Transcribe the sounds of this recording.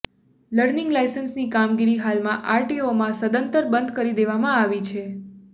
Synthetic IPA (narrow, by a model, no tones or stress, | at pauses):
ləɾnɪ̃ŋɡlajsənsnikamɡiɾiɦalmãʔaɾʈiomãsəd̪ənt̪əɾbənd̪kəɾid̪eʋamãaʋit͡ʃʰe